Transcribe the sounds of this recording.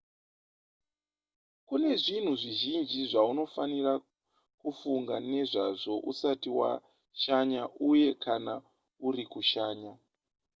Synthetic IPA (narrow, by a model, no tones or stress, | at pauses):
kune̞ʐin̤uʐiʒind͡ʒiʐauno̞fanira | kufuŋɡane̞ʐaʐo̞ʔusatiwa̰ | ʃaɲaʔuje̞kʰana | urikuʃaːɲa